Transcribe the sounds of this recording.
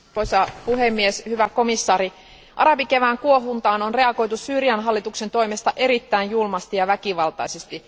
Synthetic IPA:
poisɑpuɦemːieshyʋæko̞misːɑːɾi | ʔɑ̰ɾɑbikeʋæːŋkuoɦunt̪ɑːnonre̞ɑko̞jt̪usyːriɑnɦɑlːit̪ukse̞nt̪o̞imest̪ɑʔe̞ɾit̪ːæinjulmɑst̪ijɑʋækiʋɑlt̪ɑ̰isest̪i

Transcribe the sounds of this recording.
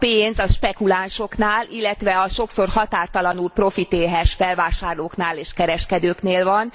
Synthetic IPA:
peːnzɒʃpɛkulaːnʃo̞knaːlilːɛt̪ʋɛɒʃo̞kso̞rhɒt̪aːrt̪ɒlɒnulpro̞fit̪eːɦɛʃfɛlvaːʃaːrloːknaːleːʃkɛɾɛʃkɛd̪øːkneːlvɒn

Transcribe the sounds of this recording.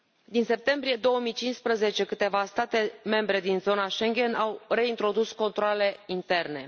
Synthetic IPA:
d̪inse̞p̚t̪e̞mbɾije̞d̪o̞wəmijt͡ʃinspɾəze̞t͡ʃe̞kɨt̪e̞vast̪at̪e̞me̞mbɾe̞d̪inzo̞naʃeŋɡʲe̞nawre̞int̪ɾo̞d̪usko̞nt̪ɾoale̞int̪e̞rne̞

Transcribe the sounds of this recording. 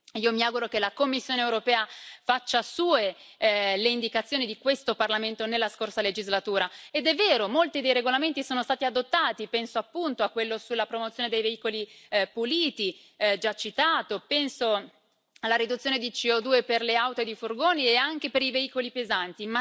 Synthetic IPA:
iːomiaːɡuɾokelakomːisːjoːneewɾopɛːafat͡ʃːasuːe | leind̪ikat̪sːjoːnid̪ikwest̪oparlament̪onelːaskorsaled͡ʒizlat̪uːɾaed̪ɛvːɛːɾomolt̪id̪ejɾeɡolament̪isoːnost̪aːt̪iad̪ot̪ːaːt̪ipɛnsoapːunt̪oakːwelːosulːapɾomot̪sjoːned̪ejveiːkolipuliːt̪i | d͡ʒat͡ʃːit̪aːt̪opɛnso | alːaɾid̪ut̪sːjoːned̪it͡ʃiɔd̪uːeperleawt̪od̪ifurɡoːnieaŋk̟epeɾiveiːkolipezant̪ima

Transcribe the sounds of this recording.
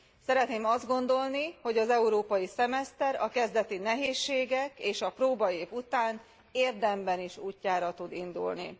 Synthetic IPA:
sɛɾɛt̪neːmɒzd̪ɡo̞nd̪o̞lniho̞ɟɒzɛuɾoːpɒjisɛmɛst̪ɛɾɒkɛzd̪ɛt̪inɛɦeːʃːeːɡɛkeːʃɒproːbɒeːvut̪aːn | eːrd̪ɛmbɛniʃuːcːaːɾɒt̪ud̪ind̪ṵlnḭ

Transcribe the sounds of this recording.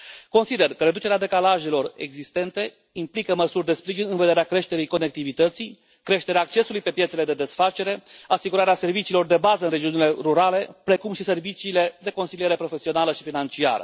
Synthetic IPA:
ko̞nsid̪e̞rkəɾe̞d̪ut͡ʃe̞ɾead̪e̞kalaʒe̞lo̞re̞̰ɡzist̪e̞nt̪e̞ | implikəməsurʲd̪e̞spɾiʒinɨnved̪eɾeakɾe̞ʃt̪e̞ɾijko̞ne̞k̚t̪ivit̪ət̪sij | kɾe̞ʃt̪e̞ɾeaːk̚t͡ʃe̞sulujpe̞pjet̪se̞le̞d̪e̞d̪e̞sfat͡ʃe̞ɾe̞asiɡuɾaɾease̞rvit͡ʃiːlo̞rd̪e̞bazəɨnre̞d͡ʒiunile̞ɾuɾale̞pɾe̞kumʃise̞rvit͡ʃiːle̞d̪e̞ko̞nsilijeɾe̞pɾo̞fe̞sio̞naləʃifinant͡ʃia̰ɾə̰

